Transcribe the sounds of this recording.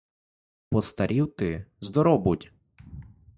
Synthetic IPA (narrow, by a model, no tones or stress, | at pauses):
pɔst̪ɐɾʲiwt̪ɪzd̪ɔɾɔbʊtʲ